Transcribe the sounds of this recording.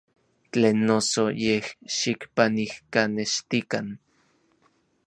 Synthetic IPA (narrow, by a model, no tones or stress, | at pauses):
t͡ɬeːnːosojehʃikpanihkaneʃt̪ikan